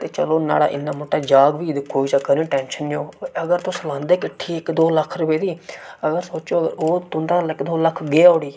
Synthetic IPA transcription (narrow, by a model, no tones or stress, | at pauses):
t̪eːt͡ʃəloːna̰ːɽa̰ːʔɪ̰nːaːmoːʈːaːd͡ʒaːɡʋiːd̪koːiːt͡ʃaːkəɾẽːʈɛ̃ːnʃənːjoːəɡəɾt̪ʊ̃slãːnd̪eːkɪʈʰːiːɪkd̪oːləkʰɾʊpeːd̪iːəɡəɾsoːt͡ʃoːəɡəɾoːt̪ʊ̃nd̪aːlɪkd̪oːləkʰɡeːʊːɽiː